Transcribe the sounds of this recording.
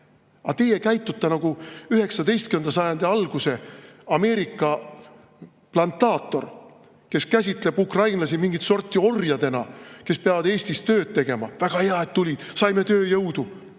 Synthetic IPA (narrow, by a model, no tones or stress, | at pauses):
ɑt̪e̞jekæjt̪ːˑut̪ːˑenɑɡ̥uyɦe̞ksɑd̪e̞jst̪̚kyend̪̥ɑsɑjɑnd̪̥iɑlɡ̥use̞ɑme̞ːɾikˑːɑ | plɑnt̪ːɑːt̪ːˑo̞̰r | ke̞skæsʲit̪ˑle̞bukrɑjnlɑs̬imiŋɡit̪so̞rt̪ːˑio̞rjɑd̪e̞nɑke̞speɑvɑd̪e̞ːsʲt̪ist̪ø̞ːd̪̥̚t̪e̞ɡ̥e̞mɑvæɡ̥ɑheɑet̪ːulʲid̪̥sɑjme̞t̪ø̞ːjɤwd̪̥u